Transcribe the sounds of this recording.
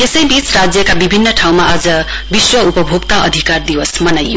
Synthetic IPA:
t̪esʌjbit͡srad͡zjʌkabibʱinːʌʈʰaw̃maad͡zʌ | biswʌupʌbʱoɡt̪aʔʌd̪ʱikard̪iwʌsmʌnajːo

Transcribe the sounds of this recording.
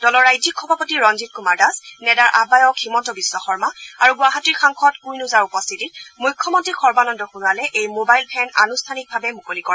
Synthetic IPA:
d̥ɔlɔɹːajzikʰːɔbʱapɔtiɹɔnzit̚kumaɹdasnɛdaɹʔabajɔkhimɔntɔbiswɔxɔɹmaaɹuɡuaɦatiɹxaŋxʰɔtkujnuzaɹupɔstʰitit̚mujkʰːɔmɔntɹixɔɹbanɔndɔxunualɛʔejmobajlpʰɛna̰nustʰanik̚bʱabɛmukolikɔɹɛ

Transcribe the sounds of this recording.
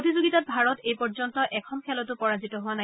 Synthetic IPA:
otizoɡitat̚bʱaɹɔtejpɔɹzɔntɔʔɛkʰɔnkʰɛlɔtʊpɔɹazitɔɦʊwana

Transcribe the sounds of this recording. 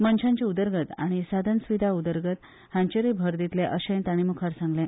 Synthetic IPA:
mənɕãɲt͡ɕeud̪əɾɡət̪a̰ɽ̃isad̪ʱənsʋid̪ʱaud̪əɾɡət̪ | hãɲt͡ɕeɾebʱəɾd̪it̪leʔəɕə̃jnt̪aɽ̃imukʰaɾsãŋɡlẽ

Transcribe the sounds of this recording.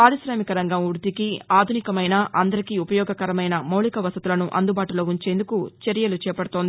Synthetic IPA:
paːɾisɾɐːmikɐɾɐŋɡɐmuɾt̪ikiaːd̪ʱunikɐmɐjnɐʔɐnd̪ɐɾikiupɐjɔːɡɐkɐɾɐmɐjnɐmɐwlikɐʋɐsɐt̪ulɐnuʔɐ̰nd̪ubaːʈulo̞ːuɲt͡ʃe̞ːnd̪ukut͡ʃeɾjɐlut͡ʃɛːpɐɽut̪ond̪i

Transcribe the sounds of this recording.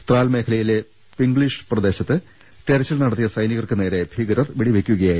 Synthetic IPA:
t̪raːlme̞ːkʰɐlɐjile̞ | piŋɡɭiʂɨ̥prɐd̪e̞ːɕɐt̪ːɨ | t̪eɾɐt͡ɕːilnɐɽɐt̪ːijɐsɐjniɣɐrkɨne̞ːɾe̞bʱiɡɐɾɐrʋiɽiʋekʲːuɣɐjaː

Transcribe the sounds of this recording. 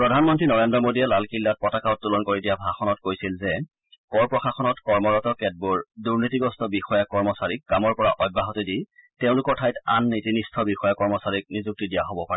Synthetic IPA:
pɹɔdʱanmɔntɹinɔɹendɹɔmodiɛlalkilːat̚pɔtakaʊt̚ːulɔnkoɹidijabʱaxɔnɔtkojsilzɛ | kɔɹpɹɔxaxɔnɔtkɔɹmɔɹɔtɔkɛd̚buɹduɹnitiɡɔstɔbixɔjakɔɹmɔsaɹik̚kamɔɹpɔɹaʔɔjbːaɦɔtediteʊ̃lʊkɔɹtʰajta̰nːitinistʰɔbixɔjakɔɹmɔsaɹik̚nizuk̚tidijaɦobɔpaɹɛ

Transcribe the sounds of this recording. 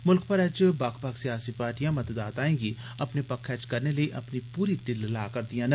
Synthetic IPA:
mʊlk̚pɐɾɛt͡ʃbaːkpaksijaːsipaːɾʈijãmɐt̪d̪aːt̪aːẽːɡi | ɐpnepɐkʰɛːt͡ʃkɐɾnelieʔɐpnipuːɾiʈɪllaːkɐɾd̪ijãnɐ

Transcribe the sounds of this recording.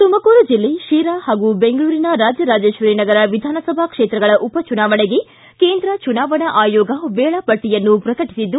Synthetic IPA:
t̪umɐkuːɾud͡ʒilːe̞ʃiːɾaːhaːɡubeŋɡɐɭuːɾinɐɾaːd͡ʒjɐɾaːd͡ʒeːʃʋɐɾeːnɐɡɐɾɐʋid̪ʱaːnɐsɐbʱɐkʂeːt̪ɾɐɡɐɭɐʔupɐt͡ʃunaːʋɐɳeɡe̞ | keːnd̪ɾɐt͡ʃunaːʋɐɳɐʔaːjɔːɡɐʋeːɭɐpɐʈːijɐnːupɾɐkɐʈi̥sid̪ːu

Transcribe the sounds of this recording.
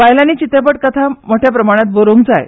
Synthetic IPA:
ʋaɦjlaniːt͡ɕit̪epəʈ̚kət̪ʰamoʈʰjapɾəmaɽ̃at̪̚boɾoŋk̚d͡zaj̰

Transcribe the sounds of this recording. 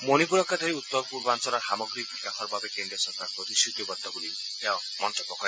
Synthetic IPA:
monipuɾɔkʰːad̪ʱɔɾiut̪ːɔɾɔpuɾbɔansɔlaɾɦamɔɡɾiikakʰɔɾɔbabekeɳɖiɔsɔɾkaɾɔpɾɔt̪isʰut̪ɔbɔd̪ʱːɔkuli | kaw | mɔntɔpɔkɔ

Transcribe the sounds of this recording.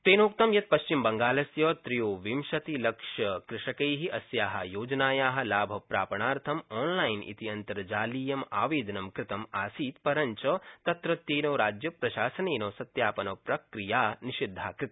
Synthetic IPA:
t̪eːnoːk̚t̪ɐmjɐt̪̚pɐʃt͡ʃimbɐŋɡaːlɐsjɐːt̪ɾijoːʋimʃɐt̪ilɐkʂɐkɾɪʂɐkɐjɦiʔɐsjaːɦɐ̰joːd͡ʒɐnaːjaːɦɐ̆laːbʱɐpɾaːpɐɳaːɾt̪ʰɐmɔːnlaːjnḭt̪iɐnt̪ɐɾd͡ʒaːliːjɐma̰ːʋeːd̪ɐnɐmkɾɪt̪ɐmaːsiːt̪pɐɾɐɲt͡ʃɐt̪ɐt̪ɾɐt̪ːeːnoːɾaːd͡ʒjɐpɾɐʃaːsɐneːnoːsɐt̪jaːpɐnɐpɾɐkɾijaːniʃid̪ʱːaːkɾɪt̪ɐ

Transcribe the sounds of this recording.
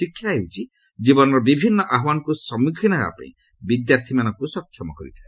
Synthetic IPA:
ikʰːjaɦewt͡ʃʰi | d͡ʒibɔnɔɾɔbibʱinːɔʔaɦwanɔkusɔmikʰinɔa̰pã̰ḭ̃ | bid̪jaɾt̪ʰimanɔŋkusɔkʰːjɔmɔkɔɾḭt̪ʰae

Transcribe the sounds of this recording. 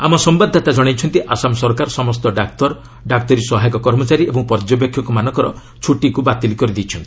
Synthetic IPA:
amɔsɔmbad̪ʱːat̪ad͡ʒɔɽ̃ajt͡ʃʰɔnt̪iʔasamɔsɔɾkaɾɔsɔmɔst̪ɔɖak̚t̪ɔɾ | ɖak̚t̪ɔɾisɔɦajɔkɔkɔɾmɔt͡ʃaɾiebɔŋpɔɾd͡ʒɔbekʰjɔkumanɔ̃ŋkɔɾɔ | t͡ʃʰuʈikubat̪ilikɔɾid̪ijt͡ʃʰɔnt̪ii

